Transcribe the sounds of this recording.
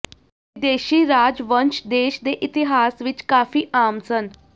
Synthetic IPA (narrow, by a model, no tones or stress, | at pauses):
ʋid̪eɕiːɾad͡zʋənʃd̪eʃd̪eʔit̪iɦaːsʋit͡ʃkaːfiːʔamt͡sən